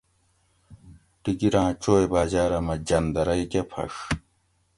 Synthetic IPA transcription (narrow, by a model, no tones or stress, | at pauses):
ʈiɡiɾãːt͡ɕoːjbaːʑaːɾɐmɐd͡ʑɐnd̪ɐɾɐjkʲepʰɐ̰ʂ